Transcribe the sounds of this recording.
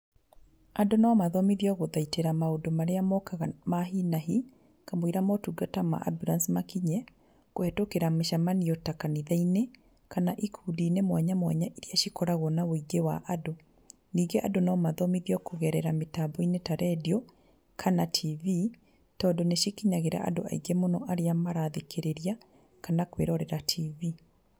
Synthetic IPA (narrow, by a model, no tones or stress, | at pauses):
adonaːmaðɔmiðjɔɣoðaiteɾamaodomaɾeamɔkaɣamaɦinaɦi | kamoiɾamɔtuɡatama̰ʔa̰buɾansmakiɲɛ | koɛtokeɾameʃamanijɔtakaniðaine | kanaʔikʰuːdinemwaɲamwa̰ɲaʔiɾiaʃikɔɾaɣɔnawoiɡewa̰ʔado | niːŋɡeʔa̰donɔmaðɔmiðjɔkoɣɛɾɛɾametabɔinetaɾɛdiɔ | kʰanatʰivi | tɔːndɔneʃikiɲaɣeɾa̰ʔa̰do̰a̰iɡemonɔʔaɾeamaɾaðekʰeɾeɾia | kanakwḛɾɔɾɛɾatʰivi